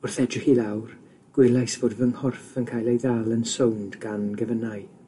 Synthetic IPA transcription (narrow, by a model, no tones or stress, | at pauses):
ʊrθɛdrɪxilˠawr | ɡ̥wɪlˠajsv̥oːdvəŋhɔrfənkʰaːjlˠejðalˠənsowndɡ̥anɡəvənaɨ